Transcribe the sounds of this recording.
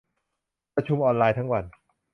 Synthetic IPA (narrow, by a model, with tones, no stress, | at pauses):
pɾa˧t͡ɕʰu˧mʔɔː˧nlaː˧jt̪ʰa˦˥ŋwa˧n